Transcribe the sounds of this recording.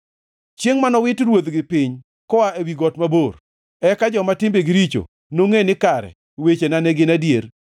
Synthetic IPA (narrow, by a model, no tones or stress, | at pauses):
t͡ʃjeŋmanɔwɪtɾwod̪ɡɪpɪɲ | kɔwaʔewiɡɔtmabor | ɛkad͡ʒɔmatɪmbeɡɪɾit͡ʃo̰ | noŋenɪkaɾɛ̰ | wet͡ʃenanɛɡɪnadjer